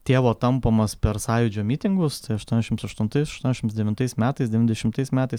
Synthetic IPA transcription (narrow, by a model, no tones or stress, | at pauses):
t̪ʲeːʋoːt̪ɐmpɐmɐspʲɛɾsɑːjʊd͡ʒʲoːmʲiːt̪ʲɪŋɡʊst̪ɐɪɐʃt̪uɔnʲɛʃʲɪmsɐʃt̪ʊnt̪ɐɪsɐʃt̪uɔnʲɛʃʲɪmsd̪ʲɛʋʲɪnt̪ɐɪsmʲæːt̪ɐɪsd̪ʲɛʋʲɪnʲd̪ʲɛʃʲɪmt̪ɐɪsmʲæːt̪ɐɪs